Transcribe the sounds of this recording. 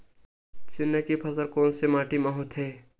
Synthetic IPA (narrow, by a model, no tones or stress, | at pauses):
t͡ʃɪnːəkipʰɐsəɾkoːnsemaːʈimɐɦʊt̪ɦeː